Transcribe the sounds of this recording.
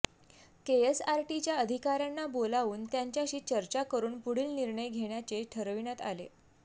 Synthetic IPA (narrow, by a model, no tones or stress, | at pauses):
keesaɾʈit͡ɕjaəd̪ʱikaɾjanːabolaʋuːnt̪jaɲt͡ɕjaɕiːt͡ɕəɾt͡ɕakəɾuːnpuɽiːlniɾɳəjɡʱeɽ̃jat͡seʈʰəɾʋinjat̪a̰lḛ